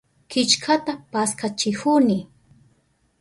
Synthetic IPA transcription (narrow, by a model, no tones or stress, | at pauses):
kɪt͡ʃkʰat̪apaskat͡ʃɪhʊnɪ